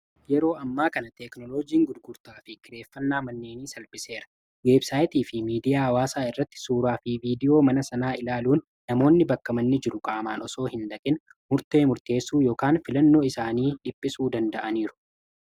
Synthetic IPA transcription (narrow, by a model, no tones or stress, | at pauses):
jɛɾo̞ːɐmːaːkɐnɐt̪ɛknɔloːd͡ʒiːŋɡʊd̪ɡʊɾt̪aːfɪkɪɾe̞ːfːɐnːaːmɐnːe̞ːniːsɐlbɪse̞ːɾɐ̥ | weːbsaːjt̪iːfɪmiːd̪ɪjaːɐwaːsaːɪrːɐt̪ːɪ̥suːɾaːfɪviːd̪ɪjo̞ːmɐnɐsɐnaːɪlaːluːnːɐmo̞ːnːɪbɐkːɐmɐnːɪd͡ʒɪɾʊkʼaːmaːnɔso̞ːhɪnd̪ɐkʼɪn | mʊɾt̪e̞ːmʊɾt̪e̞ːsːuːjo̞ːkaːnfɪlɐnːo̞ːɪsaːniːᶑɪpʼːɪsuːd̪ɐnd̪ɐʔɐniːɾʊ̥